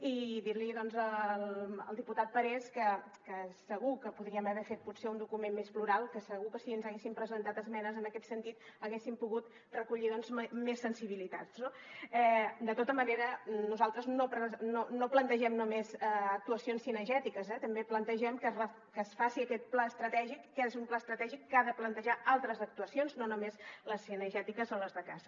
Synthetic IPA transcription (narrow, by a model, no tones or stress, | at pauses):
iðiɾliðɔnzələ̰lˠd̪iput̪at̪̚pəɾɛskəkəsəɣukəpuðɾiəməβɛfet̪̚puseund̪ukumenmespluɾalˠkəsəɣukəsiənzəɣesimpɾəzənt̪at̪əzmɛnəzənəkɛt̪sənt̪it̪əɣesimpuɣut̪ | rəkuʎiðɔnzmesːənsiβ̞ilit̪ad͡zno | ɛd̪ət̪ot̪əməneɾənuzalˠt̪ɾəznopɾəznonoplənt̪əʒɛmnumezəək̚t̪uəsionsinəʒɛt̪ikəzɛt̪əmbeplənt̪əʒɛmkərə | kəsfasiəkɛt̪̚plaəst̪ɾət̪ɛʒikːɛzumplaəst̪ɾət̪ɛʒikːaðəplənt̪əʒaalˠt̪ɾəzək̚t̪uəsionznonumezləsːinəʒɛt̪ikəsːonləzðəkazə